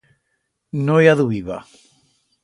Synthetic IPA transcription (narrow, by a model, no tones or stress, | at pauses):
nojaðuiβa̰